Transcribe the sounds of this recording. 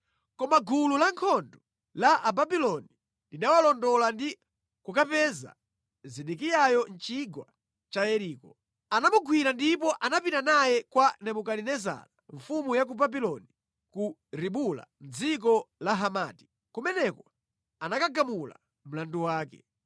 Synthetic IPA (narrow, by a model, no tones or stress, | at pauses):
kɔmaɡululaŋkʰɔndɔ | laʔababilɔni | linawalɔndɔlandi | kukapɛza̰ | ziɗikijajɔnt͡ʃiɡwa | t͡ʃaɛɾiːkɔ | anamuɡwiɾandip̬ɔʔanapitanajɛkwanɛmukaninɛza̰laɱfumujak̬ubabilɔni | ku | ɾiɓula̰m̩d͡zik̬ɔlaɦamaːti̥ | kumɛnɛkɔ | anakaɡamula̰ | m̩landuwaːkɛ̥̰